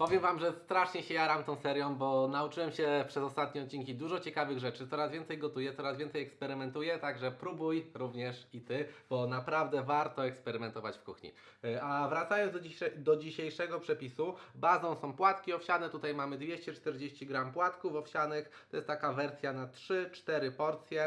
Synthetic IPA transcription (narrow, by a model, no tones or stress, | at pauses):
pɔvʲjɛmvamʐɛst̪ɾaʂɲɛɕɛjaɾamt̪ɔ̃w̃sɛɾjɔ̃w̃bɔnaut͡ʂɘwɛmɕɛpʂɛzɔst̪at̪̚ɲɛɔt̪̚t͡ɕinkʲid̪uʐɔt͡ɕɛkavɘɣʐɛt͡ʂɘt̪sɔɾazvʲɛnsɛjɡɔt̪ujɛt̪sɔɾazvʲɛnt̪sɛjɛkspɛɾɘmɛnt̪ujɛt̪aɡʐɛpɾubujɾuvɲɛʂit̪ɘb̥ɔnapɾavd̪ɛvaɾt̪ɔɛkspɛɾɘmɛnt̪ɔvat͡ɕfkuxɲḭ | avɾat̪sajɔ̃nzɔid̪ɔd͡ʑiɕejʂɛɡɔpʂɛpʲisubazɔ̃w̃sɔ̃w̃pwat̪kʲiɔfɕanɛt̪ut̪ajmamɘd̪vʲjeɕt͡ɕɛt͡ʂt̪ɛɾd͡ʑeɕt͡ɕiɡɾampwat̪kufɔfɕanɘxt̪ɔjɛst̪t̪ːakavɛɾt̪sʲjanatʂɘt͡ʂt̪ɛɾɘpɔɾt̪sʲjɛ